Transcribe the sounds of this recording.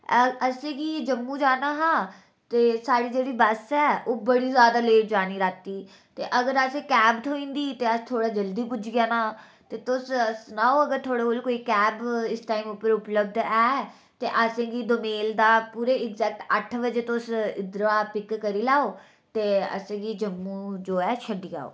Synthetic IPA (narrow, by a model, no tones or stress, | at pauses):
əsẽːɡiːd͡ʒəmːũːd͡ʒaːnaːɦãː | t̪eːsaːɽiːd͡ʒeːɽiːbəsɛːoːbəɽiːzjaːd̪aːleːʈ̚d͡ʒaːniːɾaːt̪ːiː | t̪eːʔəɡəɾəsẽːkɛːbt̪ʰoːĩːnd̪iːt̪eːəst̪ʰoːɽaːd͡ʒəld̪iːpʊd͡ʒɡɪjaːnaː | t̪eːt̪ʊsəsnaːoːəɡəɾt̪ʰoːɽeːoːlkoːiːkɛːbɪsʈaːiːmʊpːəɾʊpləb̚d̪ɛː | t̪eːʔəsẽːɡiːd̪omeːld̪aːpuːɾeːɪɡzɛːk̚ʈəʈʰʋəd͡ʒeːt̪ʊsɪd̪ɾʋaːpɪkːəɾiːlaːoː | t̪eːə̰sẽːɡiːd͡ʒəmːũːd͡ʒoːɛːʃʰəɖiːa̰ːo̰ː